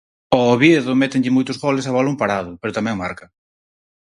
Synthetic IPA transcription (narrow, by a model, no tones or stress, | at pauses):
oːβjeðʊmɛt̪eŋʎɪmojt̪ʊzɣɔlɪsaβalumpaɾaðʊpeɾʊt̪amɛ̃ŋmaɾkɐ